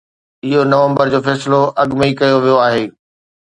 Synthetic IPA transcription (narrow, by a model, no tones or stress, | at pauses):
ɪɦonɐʋə̃mbəɾd͡ʑoːfɛːsɪloʔɐɠmikɐjoʋijoaːɦeː